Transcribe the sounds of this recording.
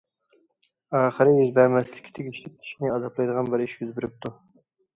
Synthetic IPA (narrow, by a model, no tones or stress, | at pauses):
ɑːχəɾɨjyzbɛɾmɛsɪlɪkʲʰi̥t̪ʰeɡʲiʃlɪk̪̚ʲʰi̥ʃinɪɑzɑplˠɑjd̪əʁɑnbɪɾiʃjyzbyɾɪp̚t̪ʰu